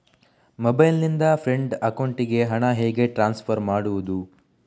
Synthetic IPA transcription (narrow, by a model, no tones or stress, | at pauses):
mobɐjlnind̪ɐpʰɾe̞ɳɖɐkɐwɳʈiɡe̞ɦɐɳɐɦeːɡe̞ʈɾaːnspʰɐɾmaːɽuʋud̪u